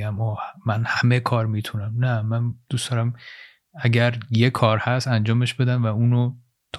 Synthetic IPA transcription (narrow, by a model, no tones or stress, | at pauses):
æmɒːmænhæmekʰɒːɾmiːt̪ʰunæmnæmænd̪̥usd̪ɒːɾæm | æɟæɾjekʰɒːɾhæst̪ænd͡ʒɒːme̞ʃb̥e̞d̪ænvæuːno | t̪ʰː